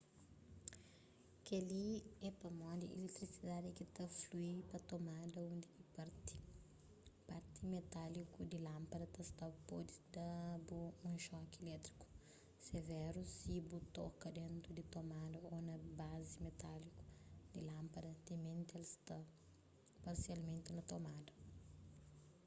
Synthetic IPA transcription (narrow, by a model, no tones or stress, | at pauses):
keliɛpɐmɔ̃d̪iʔilekt̪ɾisid̪ad̪ɪkit̪ɐfluipɐt̪omad̪ɐũnd̪ikipaɾt̪i | paɾt̪imet̪alikud̪ilɐ̃mpɐd̪ɐt̪ɐst̪apɔd̪id̪ɐbuũʃɔkelɛt̪ɾiku̥ | sevɛɾusibut̪ɔkɐd̪ẽnt̪ɾud̪it̪omad̪ɐonɐbazimet̪aliku̥d̪ilɐ̃mpɐd̪ɐt̪emẽnt̪ɪelst̪ɐ | paɾsialmẽnt̪inɐt̪omad̪ɐ